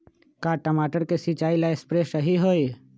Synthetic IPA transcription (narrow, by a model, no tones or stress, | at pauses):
kaːʈəmaːʈəɾkesit͡ʃaːilaespɾesəɦiɦoːi